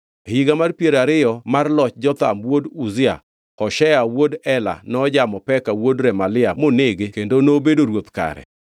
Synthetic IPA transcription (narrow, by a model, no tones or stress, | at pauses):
hiɡamarpjeɾaɾɪjɔmarlɔt͡ʃd͡ʒɔt̪a̰mwoduzɪa̰ | ɔʃɛawodɛla̰nɔd͡ʒamɔpɛkawodɾɛmalɪamoneɡekendonobedoɾwot̪ka̰ɾɛ̰